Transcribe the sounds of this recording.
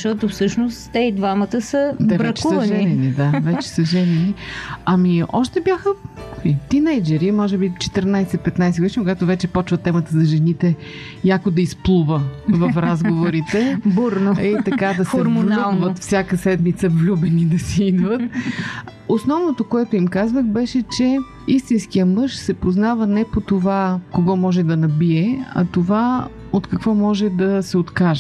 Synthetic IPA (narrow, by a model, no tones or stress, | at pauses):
ʃt̪ɔt̪ofsɤʃnost̪t̪ɛid̪vamət̪əsət̪ɛbvɾɛɐkt͡ʃɛusvəʒɛnɛnid̪avɛt͡ʃɛ̥səʒɛnɛniɐmiɔ̰ʃt̪ɛbjaxəit̪inɛjd͡ʒɛɾimɔʒɛbit͡ʃɛ̥t̪əɾnajsɛpɛt̪najsɛɡd̪iʃikʊɡat̪ovɛt͡ʃɛpɔt͡ʃvət̪ːɛmət̪əzɐʒɛnit̪ɛ | jakod̪ɐisplˠuvəvɐfɾazɡovoɾit̪ɛbuɾnoit̪ɐkad̪ɐsɛɾmnoɡ̪vət̪fsʲjakəsɛd̪mit̪səvlʲubɛnid̪ɐsɛid̪vət̪̚ | osnɔvnot̪okoɛt̪oimkazvəxbɛʃɛt͡ʃɛ | ist̪inskijəmɤʃsɛpoznavənɛpot̪ovakoɡɔmɔʒɛd̪ɐnɐbiɛɐ̰t̪ova | ot̪kɐkvɔmɔʒɛd̪ɐsɛot̪kaʒɛ